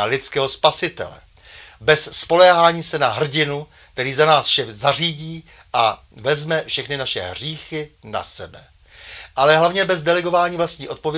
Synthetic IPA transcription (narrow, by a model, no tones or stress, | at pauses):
lɪtt͡skɛːɦospasɪt̪ɛ̰lɛ̰ | bɛsːpo̞lɛːɦaːɲiːsɛnaɦr̩ɟɪnu | k̚t̪ɛɾiːzanaːsfʃɛzar̝iːɟiː | ʔa | vɛzmɛfʃɛxnɪnaʃɛ̰ɦr̝iːxɪna̰sɛbɛ | ʔalɛɦlavɲɛbɛzdɛlɛɡo̞vaːɲiːvlast̪ɲiːo̞t̪̚povjɛ